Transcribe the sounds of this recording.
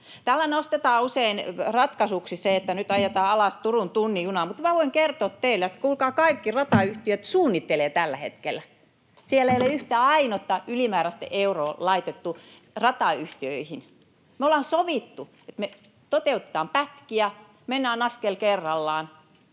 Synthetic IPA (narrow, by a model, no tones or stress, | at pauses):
t̪ælːænost̪et̪ɑːuseinrɑt̪kɑsuksiseet̪ːænyt̪ɑjet̪ɑːɑlɑˑst̪urunt̪unːijunɑmut̪mæʋoiŋkert̪oːt̪t̪eilot̪kulkɑːkɑikːirɑt̪ɑyht̪iøt̪suːnːit̪ːeleːt̪ælːæhḛt̪kelːˑæ | sielːæeijoleyht̪æɑinot̪ːɑylimæːræst̪ḛʔeuroːlɑit̪et̪ːu | rɑt̪ɑyht̪iøihin | meolɑnsoʋit̪ːu | et̪me | t̪ot̪eut̪ĕ̥t̪ɑːmpæt̪kiæ | menːæːnɑskelkerːɑlːɑːn